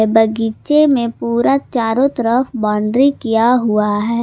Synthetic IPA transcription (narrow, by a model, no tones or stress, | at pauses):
bəɡit͡ʃemẽpuːɾat͡ʃaːɾõt̪əɾəfbaːɳɖɾikijaɦʊaɦɛː